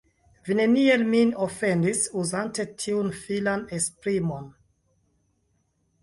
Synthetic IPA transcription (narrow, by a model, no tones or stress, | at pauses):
vine̞nielminofe̞ndisuzante̞tʰiunfilanespɾimo̞n